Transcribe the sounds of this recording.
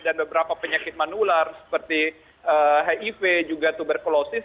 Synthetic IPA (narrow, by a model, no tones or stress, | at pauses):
danbəbəɾapapəɲakɪt̪̚manularsə̥pərt̪i | əɦaʔifed͡ʒuɡat̪ubərkolosɪs